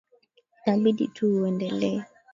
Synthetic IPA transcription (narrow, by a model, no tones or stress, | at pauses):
tabidḭtʰuwɛndɛlɛ